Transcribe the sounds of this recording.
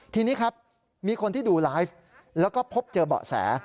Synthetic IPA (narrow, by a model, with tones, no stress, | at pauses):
t̪ʰiː˧niː˦˥kʰa˦˥p̚ | miː˧kʰo˧nt̪iː˥˩duː˧laː˦˥jf | lɛː˦˥wkɔː˥˩pʰo˦˥p̚t͡ɕɤː˧bɔ̰ː˨˩sɛ̰ː˩˦